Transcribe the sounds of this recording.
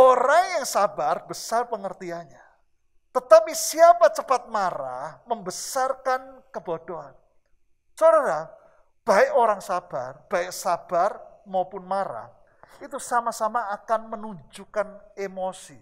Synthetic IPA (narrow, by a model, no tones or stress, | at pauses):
ʔoɾaŋjaŋsabarbəsarpəŋərt̪iaɲa | t̪ət̪apisiapat͡ʃəpat̪̚maɾa̰hməmbəsarkankəb̥od̥oɦan | sodaɾa | b̥aɪʔoɾaŋsab̥a̰rb̥aɪʔsab̥armaupʊnmaɾa̰h | it̪usamasamaːkanmənuɲd͡ʒukanemosi